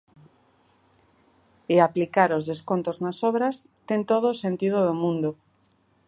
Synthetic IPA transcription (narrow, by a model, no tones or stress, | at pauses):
eaplikaɾozðeskont̪oznasoβɾas | t̪ent̪oð̞osẽnt̪iðoð̞omũnd̪o